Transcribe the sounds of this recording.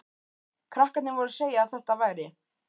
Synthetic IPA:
kʰɾahkat̪nɪvɔɾʏɾseːjaðθɛht̪avaːjɾɪ

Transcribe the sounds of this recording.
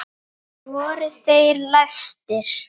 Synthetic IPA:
vɔːɾʏθejɾlast̪ɪɾ̥

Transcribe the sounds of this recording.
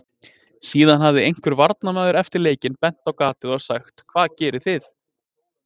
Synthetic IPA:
siːðanɦavðɪejŋ̥kvʏɾvaɾt̪namɛːðʏɾɛft̪ɪɾleːjcɪnpɛn̥t̪awkaːt̪ɪðɔɣsaxt̪kʰv̥aːðcɛːɾɪ̥θɪθ

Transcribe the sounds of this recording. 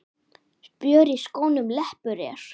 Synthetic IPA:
pjœːɾiskoːwnʏmlɛhpʏɾɛ̰ːɾ̥

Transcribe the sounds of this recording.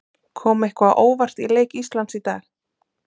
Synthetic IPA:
kʰɔːmɛhkvaʔoːwvar̥t̪ileːjkist̪lant̪sit̪aːl

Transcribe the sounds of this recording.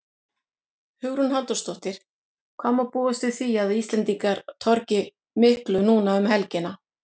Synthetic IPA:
hʏɣɾʏnɦant̪ɔst̪ɔht̪ɪɾ̥ | kʰvɔːmapuːʏst̪ɪθiaðist̪lɛnt̪iŋkaɾt̪ʰɔɾcɪ | mɪhklʏnuːnaʏmɦɛlcɪna

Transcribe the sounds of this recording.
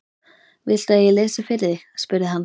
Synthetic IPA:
vɪl̥t̪ɛðjɛleːsʏfɪɾɪɾɪ | spʏɾðɪɦan

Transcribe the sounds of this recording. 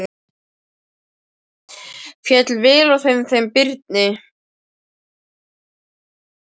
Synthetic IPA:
fjɛt̪lvɪːlɔθejmθejmpɪɾt̪̚nɪ

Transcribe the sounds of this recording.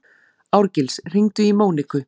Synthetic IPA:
awɾcɪlsr̥iŋt̪ʏimoːwnɪkʏ

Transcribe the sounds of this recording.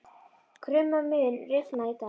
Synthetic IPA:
kʰɾʏmamʏnrɪfnait̪a

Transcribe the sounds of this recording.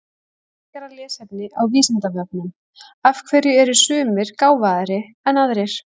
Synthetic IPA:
ɛ | kaɾalɛːsɛpnɪʔawviːsɪnt̪avɛp̚nʏm | afkʰvɛɾjʏɛɾʏ̥sʏːmɪɾ̥kaːwvaðaɾɪ | ɛnaðɾɛɾ̥

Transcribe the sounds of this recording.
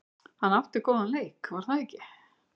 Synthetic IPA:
hanːawht̪ɪkɔːðanlejkvaɾ̥θaðɛcːɪ

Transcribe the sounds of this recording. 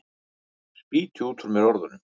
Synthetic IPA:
spiːt̪ʰʏuːt̪ʰʊɾmɛɾɔɾðʏnʏm

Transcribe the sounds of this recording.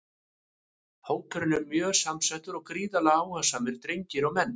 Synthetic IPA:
hoːwkʰœɾɪnʏɾmjœ̥ːsamsajht̪ʏɾɔɣkɾiːðalaaːwhœsamɪɾ̥t̪ɾejɲcɪɾawmɛnː

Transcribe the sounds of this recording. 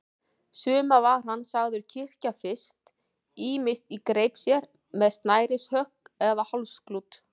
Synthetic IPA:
sʏːmavar̥hanːsaɣðʏɾcʰɪr̥cafɪst̪ | iːmɪst̪ikɾeːjpsjɛɾ | mɛðst̪naːjɾɪshœhkɛðahalsklut̪

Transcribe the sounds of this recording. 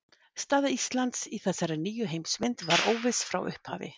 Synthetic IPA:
st̪aːðist̪lant̪siθɛsːaɾaniːjʏɦejmsvɪnt̪vaɾʔoːwvɪsfɾa̰wʔʏ̰hpha̰ːvɪ̰

